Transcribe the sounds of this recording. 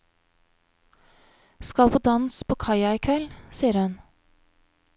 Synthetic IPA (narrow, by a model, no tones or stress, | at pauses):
skɑlpoːd̪ɑnspʰoːkʰɑɪɑɪkʰʋɛlsiːəɾhʉn